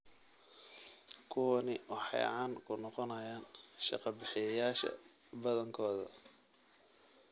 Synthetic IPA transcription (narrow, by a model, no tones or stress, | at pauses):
kʰʊwɐnɪʔɔħɑ̰jʕaːnkʰʊnɔqɔnɐjaːnʃɑ̰qɑbɪħɪjɐjaːʃɐ̰ | bɐðɐŋkʰɔːðɐ̰